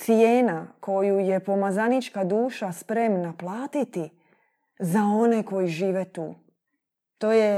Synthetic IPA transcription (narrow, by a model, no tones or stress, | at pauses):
sijeːnakʰo̞juje̞po̞mazanit͡ʃkad̪uːʃaspɾe̞mnaplˠaːt̪it̪i | zao̞ne̞ko̞jiʒiːʋet̪ṵː | t̪o̞ːje